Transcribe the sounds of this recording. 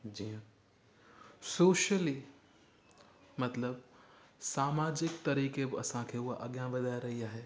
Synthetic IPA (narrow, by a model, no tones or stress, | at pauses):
d͡ʒĩː | soːʃəli | mɐt̪ləbsaːmaːd͡ʒɪkt̪ɐɾiːkebɪɐsãkʰeːʊɦaʔɐɠjãʋɐd̪ʱaːjɾɐɦiaːɦeː